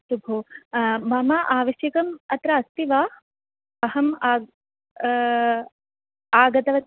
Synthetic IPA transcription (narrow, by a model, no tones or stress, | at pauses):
subʱuːmɐmaːʔaːʋɐʃjɐkɐmɐt̪ɾɐɐst̪iʋaː | ɐɦɐmː | aːɡɐt̪ɐʋɐ